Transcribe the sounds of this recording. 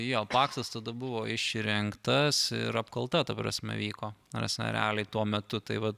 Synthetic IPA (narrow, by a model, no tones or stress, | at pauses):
joːpɑːkst̪ɐst̪ɐd̪ɐbʊʋoːɪʃʲɾʲɪŋkt̪ɐsɪ̰ɾɐpkɐlˠt̪ɐt̪ɐpɾɐ̰sʲmʲɛ̰ʋʲiːkoːɾɐ̰sʲnʲɛ̰ɾ̰ʲɑːlʲɛɪt̪uɔmʲɛt̪ʊt̪ɐɪʋɐ